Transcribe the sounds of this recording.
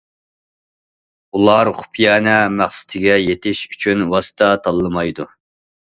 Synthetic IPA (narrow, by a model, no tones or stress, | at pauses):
ulˠɑɾχʊ̥pʰjɛnɛmæχsɪ̥t̪ʰɪɡʲɛjet̪ʰɪʃy̥t͡ʃʰynwɑsɨ̥t̪ʰɑt̪ʰɑlˠːɨmɑjd̪u